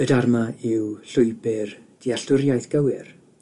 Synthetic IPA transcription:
ədarmaɪwɬʊɨbɪrd̥iaɬʊrjajθɡ̥əwɪr

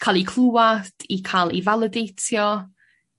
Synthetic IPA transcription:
kʰaːlˠikʰlˠuwad̥ikʰaːlˠivalˠədejtʰjɔ

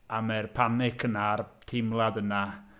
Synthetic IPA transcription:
amɛrpʰanɪkʰənartʰɪmlˠadəna

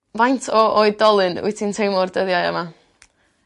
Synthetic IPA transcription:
vajntʰɔʔoɨðdɔlˠɨnʊ̰ɨtʰintʰejmɔrdəðjajə̰ma

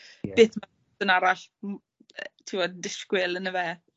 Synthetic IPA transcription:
b̥eːθma | ənaɾaɬ | ətʰɪwɔdɪskwɪlˠənəvɛː

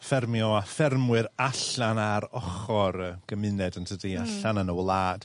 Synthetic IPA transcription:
fɛrmjɔafɛrmwɨɾaɬanaɾɔχɔɾəɡ̥əmɪnɛdəntʰədiaɬanənəwlˠaːd̥

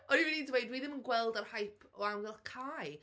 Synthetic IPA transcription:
ɔnivinidwejdwiðɪmənɡwɛlˠdarhajpʰɔamɡɛlˠdkʰaj

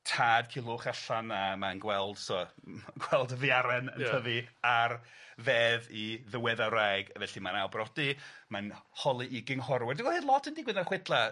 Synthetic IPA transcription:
tʰaːd̥̚kʰilˠʊχaɬanamanɡwɛlˠd̥sɔːɡwɛlˠdəvjaɾɛnə̰ntʰəðiarveːðiðəwɛðaɾaɡvɛɬimanawbrɔdimanhɔlˠiʔɪɡɪŋhɔɾwɛrdiwɔhɨːdlˠɔtʰəndiɡwɪnaχwɪdlˠa

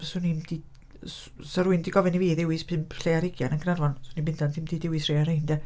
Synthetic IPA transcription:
sʊnimd̥i | s | saɾʊɨndiɡɔvɛniviːðɪwɪspʰɨmɬeaɾɪɡjanənɡnarvɔnsʊnimbɪnd̥antθʰɪmd̥iːdɪwɪsrejaɾejndɛ

